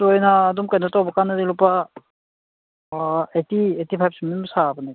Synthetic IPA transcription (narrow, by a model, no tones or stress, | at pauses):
tujnaːdumkajnatawbakanadilupa | etietipʰajp̚simimsabana